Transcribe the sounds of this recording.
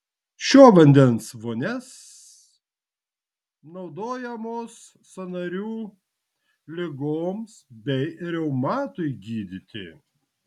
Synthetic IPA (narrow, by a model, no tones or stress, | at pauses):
ʃʲoːʋɐnʲd̪ʲɛnsʋoːnʲɛs | nɒʊd̪oːjɛmoːsː | ɐnɐɾʲuː | lʲɪɡoːmsbʲɛɪɾʲɛʊmɑːt̪ʊɪɡʲiːd̪ʲɪt̪ʲɪ̰